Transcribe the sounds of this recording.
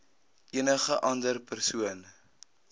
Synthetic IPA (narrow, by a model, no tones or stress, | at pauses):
ʔiənəχəʔɐndərpərsuən